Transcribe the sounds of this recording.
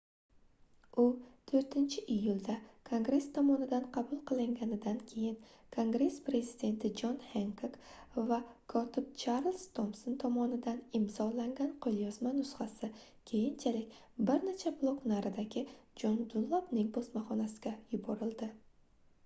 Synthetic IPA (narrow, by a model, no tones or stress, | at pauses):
ʊt̪ʰɵɾt̪ʰɪnt͡ʃʰɪʔijːʊlˠd̪akʰoŋɡɾe̞st̪ʰɒmɒnɪd̪anqʰɑbʊlˠqʰɨlˠɪŋɡʲanɪd̪ankʲʰe̞jɪn | kʰoŋɡɾe̞spɾe̞zɪd̪e̞nt̪ʰɪd͡ʒɒnheŋkʰokvakʰɒt̪ʰɪp̚t͡ʃʰaɾlˠst̪ʰomsont̪ʰɒmɒnɪd̪anɪmzɒlaŋɡʲanqʰolˠjɒzmanʊsχasɪ | kʲʰe̞jɪnt͡ʃʰalɪk̚ʲ | bɪɾnet͡ʃʰablˠoknaɾɪd̪aɡʲɪd͡ʒɒnd̪ʊlˠːɒbnɪŋbosmaχɒnasɪ̥ɡʲajʊbɒɾɪld̪ɪ